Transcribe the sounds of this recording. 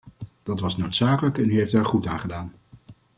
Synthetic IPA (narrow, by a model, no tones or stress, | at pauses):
d̥ɑtʋɑsnowtsaːkələkɛnyɦejftaːɹχutaːnχədaːn